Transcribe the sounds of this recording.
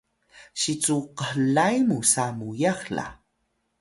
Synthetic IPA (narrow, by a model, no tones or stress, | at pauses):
ɕit͡suqəhlajmusamujaχla̰